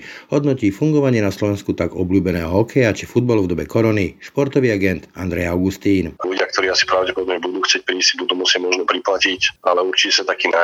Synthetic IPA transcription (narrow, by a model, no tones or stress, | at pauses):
ɦɔd̪nɔciːfuŋɡɔʋaɲɪɛnaslɔʋɛnskut̪aɡɔblʲuːbɛnɛːɦɔɦɔkʰɛjat͡ʃifud̪̚balɔvd̪ɔbɛkɔɾɔniʃpɔɾt̪ɔʋiːaɡɛnt̪a̰nd̪ɾɛjaʊɡust̪iːnaluɟɪak̚t̪ɔɾiːasi̥pɔɾaʊɟɛpɔd̪ɔbmɲɛbud̪uːxt͡sɪɛc̚pɾiːsibud̪umusɪamɔʒnɔpɾiplacicʔalɛuɾt͡ʃicɛsat̪akiːna